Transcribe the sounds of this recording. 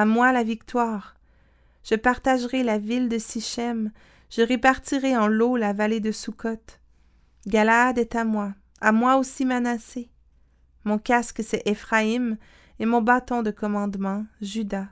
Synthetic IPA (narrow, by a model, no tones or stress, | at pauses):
amwalavik̚t̪waːʁ | ʒ̥əpaʁt̪aʒʁɛlavild̪əsiʃɛm | ʒ̥əʁepaʁt̪iʁɛɑ̃lolavaled̪əsukʰɔt̪ | ɡʲalaːd̪ɛt̪amwa | amwaosimənase | mɔ̃kʲasksɛʔefχaim | emɔ̃bat̪ɔ̃d̪əkɔmɑ̃d̪mɑ̃ʒyd̪a